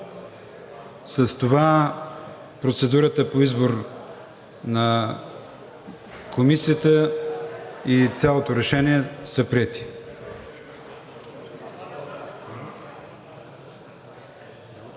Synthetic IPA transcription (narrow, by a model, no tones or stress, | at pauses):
səst̪ova | pɾot̪sɛd̪uɾət̪əpoizboɾ | nɐ | kʰomisiət̪ə | it̪sʲalˠot̪oɾɛʃɛniɛsəpɾiɛt̪i̥